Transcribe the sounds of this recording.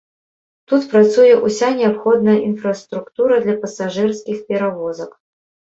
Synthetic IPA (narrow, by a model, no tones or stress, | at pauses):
t̪ut̪pɾat̪sujɛʔusʲanʲɪapxɔd̪nɐjɐʔinfrɐst̪ɾukt̪uɾɐd̪lʲɐpɐsaʐɨrskʲixpʲɛɾavɔzɐk